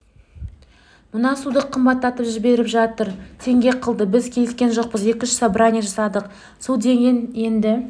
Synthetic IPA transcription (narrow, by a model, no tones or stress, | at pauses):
mʊnɑsud̪əqʰːəmbɑt̪ːɑt̪əpʒɪbe̞ɾɪpʒɑt̪əɾt̪ʰe̞ŋɡʲe̞qʰəlˠd̪əbɪzkʲʰeɪskʲe̞nʒo̞q̚pəze̞kʲɪnʃɪ̥sɑbɾanʲiʒɑsɑd̪əq | sud̪e̞ŋɡʲe̞nje̞nd̪ɪ